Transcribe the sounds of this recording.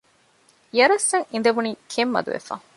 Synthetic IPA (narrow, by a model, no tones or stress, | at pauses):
ijɐɾɐsːɐŋind̪eʋuniːkʰemːɐ̰d̪ṵʋḛfa̰ŋ